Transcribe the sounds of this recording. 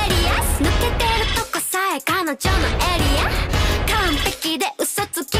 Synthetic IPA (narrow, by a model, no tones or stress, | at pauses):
ɾianɯket̪eɾɯt̪okosaekanod͡ʑonoʔeɾiakãmp̪e̞kʲid̪eʔɯsot͡sɨkʲi